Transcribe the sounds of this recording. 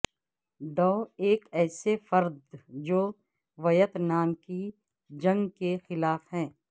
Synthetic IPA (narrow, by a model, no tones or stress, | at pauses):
d̪ɔːeːkɛːsefɐɾd̪d͡ʒoː | ʋɐjət̪naːmki | d͡ʒɐ̃ŋɡkexɪlaːfɦɛ̃ː